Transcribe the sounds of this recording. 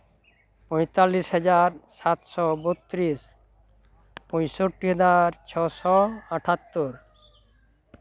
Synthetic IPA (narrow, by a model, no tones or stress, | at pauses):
pɔ̃jt̪alːisɦɛd͡ʑaɾsat̪sɔbot̪ːɾis | pɔ̃jʃoʈːiɦɛd͡ʑaɾt͡ɕʰɔsɔaʈʰat̪ːoɾ